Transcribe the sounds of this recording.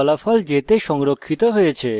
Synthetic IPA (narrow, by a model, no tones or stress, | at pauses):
ɔlafɔld͡ʑet̪eʃɔŋɾokʰːit̪oɦojet͡ɕʰe